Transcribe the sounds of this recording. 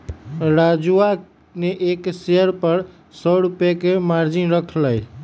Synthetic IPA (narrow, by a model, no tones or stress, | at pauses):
ɾad͡ʒua | neʔekseəɾpəɾ | sɔɾupjakemaɾd͡ʒinɾəkʰləj